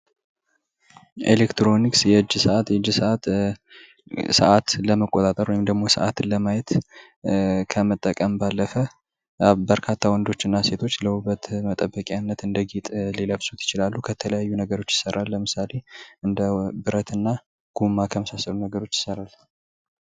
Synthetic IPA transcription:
ʔelekt̪ɾo̞niksjɛɨd͡ʒːsəʔat̪jɛd͡ʒːsəʔat̪ | sə̰ʔat̪ləməkʼːot̪ʼat̪ʼəɾwɔjɪmd̪əɡmo̞sə̰ʔat̪ʰɨləmajɛt̪ | kʰəmət̪ʼːəkʼəmbalːəfə | bəɾkʰat̪ʰːawɔnd̪o̞t͡ʃːɨnːase̞t̪ʰo̞t͡ʃːləhuβət̪mət̪ʼəbːəkʼanːət̪ɨnd̪əɡit̪ʼliləβsut̪ʰjɪt͡ʃɪlalːukʰət̪ʰələjajːunəɡəɾo̞t͡ʃːjɪ̥səɾalːəmɨsale̞ʔɨnd̪əbɨɾət̪ɨnːa | ɡ̥umːakʰəməsasːəlunəɡəɾo̞t͡ʃːjɪ̥səɾal

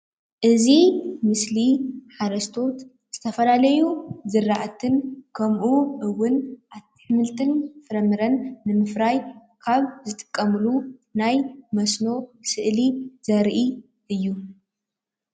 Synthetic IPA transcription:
ʔɨzimɨsliħaɾɐst̪ʰo̞t̪ | z̥ɨt̪ʰɐfɐlalɐjuzɨrːaʔat̪ʰɨnkʰɐmʔuʔɨwʊnʔaβt̪ʰɨ̥ħɨmɨlt̪ʰʼɨnfɨɾɐmɨɾɐnːɨmɨfɾaj | kʰaβzɨt̪ʼɨ̥kʼːɐmɨlunajmɐsno̞sɨʔliz̥ɐɾʔi | ʔɨjːu

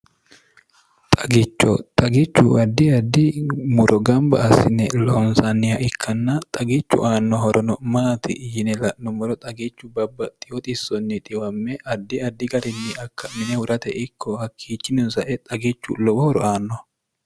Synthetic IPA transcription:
t̪ʼɐɡɪt͡ʃːɔ̰t̪ʼɐɡɪt͡ʃːṵɐd̪ːɪɐd̪ːɪmʊɾɔɡɐmbɐʔɐsɪnɛlɔɔnsanːɪhɐʔɪkʰːɐnːɐt̪ʼɐɡɪt͡ʃːʊ̰ʔaːnːɔɦɔɾʔɔnɔmaːt̪ʰɪ̰jɪnɛlɐʔnɔmɔɾɔt̪ʼɐɡɪt͡ʃːʊbɐbːɐt̪ʼːɪ̥jɔt̪ʼɪsːɔnːɪt̪ʼɪwɐmːɛʔɐd̪ːɪɐd̪ːɪɡɐɾɪnːɪɐkːɐmɪnɛhʊɾɐt̪ɛʔɪkʰːɔhɐkʰːiːt͡ʃːɪnʊnsɐʔɛt̪ʼɐɡɪt͡ʃːṵlɔwɔɾɔ̰aːnːɔ

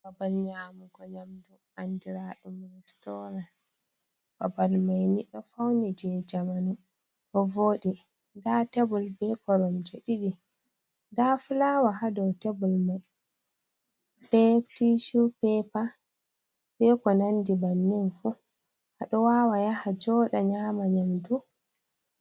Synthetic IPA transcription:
babalɲaːmuɡɔɲamdu | andiɾaɗumɛstɔɾa | b̥abalmajniɗɔfawnid͡ʒɛd͡ʒamanu | ɗɔvoːɗi | ndatebulbɛkɔɾɔmd͡ʒeɗiɗi | dafulaːwaɦadɔwtebulmaj | b̥ɛtiʃupɛpa | bɛkɔnandibanːinfu | haɗɔwawajahad͡ʒɔːɗaɲaːmaɲamdu

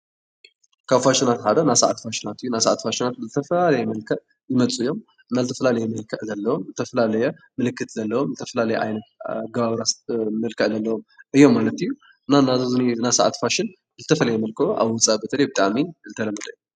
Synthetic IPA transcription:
kʰaβfaʃɪnat̪ħad̪onasa̰ʕa̰t̪faʃɪnat̪ɨjːunasaʕat̪faʃɪnat̪̚zɨt̪ʰɐfɐlalɐjɛmɐlkʰɐʔ | jɪmɐt͡sʼujːo̞m | ɨnːazɨt̪ʰɐ̥fɐlalɐjɛmɨlkʰɐʕzɐlːɐwomzɨt̪ʰɐfɐlalɐjɛ | mɨlɨkʰːɨt̪zɐlːɐwomzɨt̪ʰɐfɐlalɐjɛʔa̰jnɐt̪ɡɐβaβɾasmɐlkʰɐʔzɐlːɐwo̞mʔɨjːo̞mːalɐt̪ɨjːu | ɨnːanazzninasaʕa̰t̪faʃɪn | zɨt̪ʰɐfɐlɐjɛmɐlkʰɐoʔa̰βwɔt͡sʼabɐt̪ʰɐlɐjbɨt̪ʼaʕmiɨzɨt̪ʰɐlɐmɐd̪ɐju

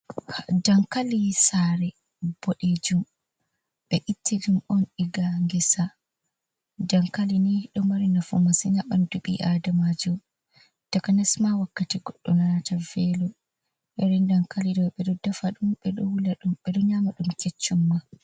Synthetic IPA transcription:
had͡ʒaŋkalisaɾɛ | b̥ɔɗed͡ʒum | ɓ̥ɛʔitʰːid͡ʒumɔniɡaŋɡɛsa | daŋkaliniɗɔmaɾinafṵmasiɲaɓanduɓḭʔadamad͡ʒɔ | d̥akanɛsmawakːatiɡɔɗːɔnanatavɛlɔ | ʔɛɾɛndaŋkalidɔɓɛɗɔdafaɗumɓɛɗɔwulaɗumɓɛɗɔɲamaɗumket͡ʃːumːa

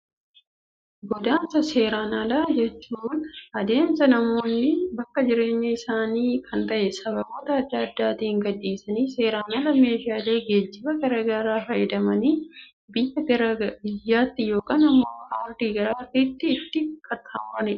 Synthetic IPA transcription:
ɡɔd̪aːnsɐseːɾaːnɐlɐd͡ʒɛt͡ʃːuːnɐd̪e̞ːmsɐnɐmo̞ːnːɪbɐkːɐd͡ʒɪɾe̞ːɲːɐɪsaːniːkʰɐnt̪ɐʔɛsɐbɐbo̞ːt̪ɐɐd̪ːɐːd̪ːaːt̪iːhɪŋɡɐd̪ːiːsɐniːse̞ːɾaːnalɐme̞ːʃɪaːle̞ːɡe̞ːd͡ʒːɪbɐɡɐɾɐɡaɾaːfɐjɪd̪ɐmɐniː | bɪjːɐɡɐɾɐbɪjːaːt̪ːɪjoːkaːnɐmːohaːɾd̪iːɡɐɾaːfiːt̪ːɪːt̪ːɪkʰɐt̪ʰːaːmʊɾɐnɛ

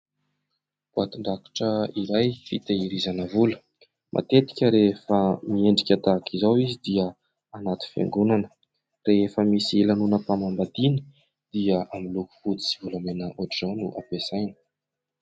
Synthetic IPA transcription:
b̥at̪unɖ͡ʐ̪aki̥ʈ͡ʂəiɾajfit̪eiɾizanəvulə̥ | mʔa̰t̪et̪i̥kʲəɾefəmieɳɖ͡ʐikʲat̪akʰizawizid̪iə | anat̪i̥fḛŋɡunanə̥ | reefəmisielanunəpamambad̪ini̥ | d̪̥iəamiluku̥fut͡si̥sivulamenəʔoʈ͡ʂanuʔapesajnə̥

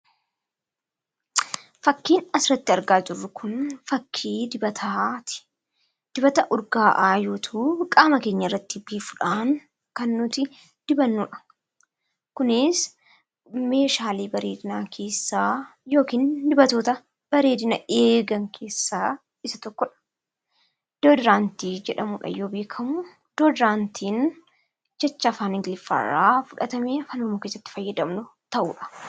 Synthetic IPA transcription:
fɐkːiːnɐsɾɐt̪ːɪɐɾɡaːd͡ʒɪrːʊkʰʊnfɐkʰːiːd̪ɪbɐt̪ʰat̪ɪ̥ | d̪̥ɪbɐt̪ɐʔʊɾɡaːʔaːjoːt̪ʰuːkʼaːmɐke̞ːɲːɐɪrːɐt̪ːɪbiːfʊᶑaːŋ | kɐnːʊt̪ɪ | d̪̥ɪbɐnːuːᶑɐ̥ | kʊnɪs | me̞ːʃaːliːbɐɾe̞ːd̪ɪnaːkʰe̞ːsːaːjo̞ːkiːnd̪ɪbɐt̪o̞ːt̪ɐ | b̥ɐɾe̞ːd̪ɪnɐeːɡɐŋkʰe̞ːsːaː | ɪsɐt̪ɔkːɔᶑɐ̥ | d̪̥oːd̪ɪɾaːnt̪iːd͡ʒɛᶑɐmuːᶑɐ̰joːbe̞ːkʰɐmʊ | d̪̥oːd̪ɪɾaːnt̪ʰiːn | d͡ʒɐt͡ʃːaːfaːnɪŋɡɪlɪfɐ̰ra̰ːfʊᶑɐt̪ɐmeːfɐnɔmoːkeːsːɐt̪ːɪ̥fɐjːɐd̪ɐmnʊt̪ɐʔuːᶑɐ̥

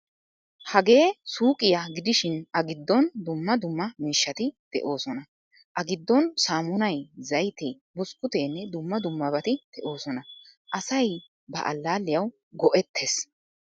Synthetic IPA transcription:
hɐɡe̞ːsuːkʼɪjaɡɪd̪ɪʃɪnɐɡɪd̪ːɔnd̪ʊmːɐd̪ʊmːɐmiːʃːɐt̪ɪd̪̥ɛ̰ʔo̞ːsɔnɐ | ʔɐɡɪd̪ːɔnsaːmʊnɐjzɐjt̪e | bʊskːʊt̪eːnːɛd̪ʊmːɐd̪ʊmːɐbɐt̪ɪd̪̥ɛʔo̞ːsɔnɐʔɐsɐj | bɐ̰ʔɐ̰lːaːlːɪjɐw | ɡɔʔɛt̪ʰːes

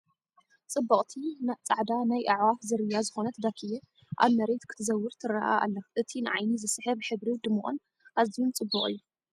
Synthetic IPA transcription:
t͡sʼɨbːɐkʼt̪ʰinat͡sʼaʕd̪anajʔaʕwafzɨɾɨjːazɨxo̞nɐt̪ʰd̪akʰijɛ | ʔa̰βmɐɾet̪kʰɨ̥t̪ʰɨzɐwːɨɾt̪ʰɨɾaʔa̰ʔa̰lːɐʔɨt̪ʰinɨʕajnizɨsħɨβħɨβɾid̪ɨmːuχʼon | ʔazijunt͡sʼɨbːukʼχʼɨ̰jːu

